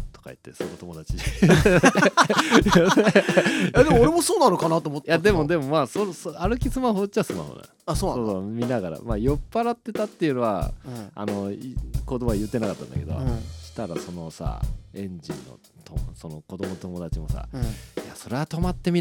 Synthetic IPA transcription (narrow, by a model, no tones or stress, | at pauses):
t̪o̥kai̟t̪ːe̞sonot̪omo̞d̪at͡ɕi | jad̪emooːɾemosoːnanokanat̪omot̪ːjad̪e̞mod̪e̞mo̞masosoaɾɯ̟kʲisɨmaɦoːt͡ɕiasɨma̰ho̰nã̰ | asoːsoːsomʲinaɣaɾa̰majo̞pːaɾat̪ːe̞t̪at̪ːe̞jɯ̟no̞βa̰a̰no̞kod̪omoajɯ̟t̪ːenakat̪ːã̰nd̪a̰ke̞d̪o̰ɕi̥t̪aɾa̰so̞no̞sa̰ẽ̞ɲd͡ʑḭ̃nːo̞̰ | t̪ʰosono̞ko̞d̪omot̪o̞mo̞d̪at͡ɕimo̞sa̰jaso̞ɾe̞at̪o̞mat̪ːe̞mʲi